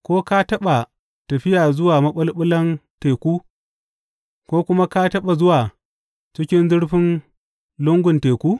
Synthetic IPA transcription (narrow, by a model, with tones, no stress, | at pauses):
kʷoː˦ka˦tɐ˦ɓa˨ | tɐ˨ɸɪ˦jaː˨zʊ˦waː˨mɐ˦ɓɐ˦lɓʊ˦lɐ˦nteː˨kʷuː˦ | kʷoː˦kʷʊ˦ma˦ka˦tɐ˦ɓa˨zʊ˦waː˨ | t͡ʃɪ˦kʲɪ˦nzɪ˦ɽɸɪ˦n | lʊ˦ŋɡʷʊ˨nteː˨kʷuː˦